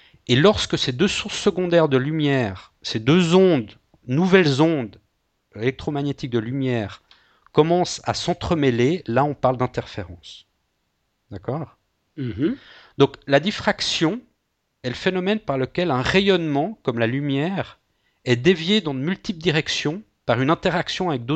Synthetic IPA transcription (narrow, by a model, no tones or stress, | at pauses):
elɔʁskəsed̪øsuʁsːəɡɔ̃d̪ɛʁd̪əlymjɛːʁ | sed̪øzɔ̃d̪ | nuvɛlzɔ̃d̪ | elɛk̚t̪χomaɲet̪ik̚d̪əlymjɛːʁ | kɔmɑ̃sa̰sɑ̃t̪χəmelelaɔ̃paʁld̪ɛ̃t̪ɛʁfeʁɑ̃s | d̪akɔːʁ̩ | d̪ɔ̃klad̪ifχaksjɔ̃ | ɛləfenɔmɛnpaʁləkʲɛlɛ̃ʁejɔnmɑ̃kɔmlalymjɛːʁ | ɛd̪evjed̪ɑ̃d̪əmylt̪ipd̪iʁɛksjɔ̃ | paʁynɛ̃t̪ɛʁaksjɔ̃avɛk̚d̪o